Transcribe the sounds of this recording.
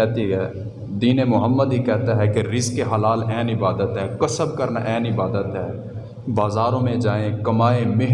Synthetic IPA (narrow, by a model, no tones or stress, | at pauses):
ɛɦt̪iɦɛː | d̪iːnemʊɦəmːəd̪ɦikɛɦt̪aɦɛkeɾɪzkːeɦəlaːlɛːnɪbaːd̪ət̪ɦɛːkəsəbkəɾnaʔɛːnɪbaːd̪ət̪ɦɛː | baːzaːɾõmẽd͡ʒaːẽkɐmaːemɪɦ